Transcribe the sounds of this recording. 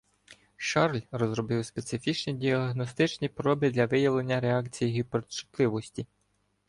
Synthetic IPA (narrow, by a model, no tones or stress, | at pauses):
ʃɑrlʲɾɔzɾɔbɪwspet̪sɪfʲit͡ʃnʲidʲiɐɦnɔst̪ɪt͡ʃnʲipɾɔbʲid̪lʲɐʋɪjɐʋlˠe̞nʲːɐɾeɑkt͡sʲijiɦipert͡ʃɪ̥t̪lˠɪʋɔsʲtʲi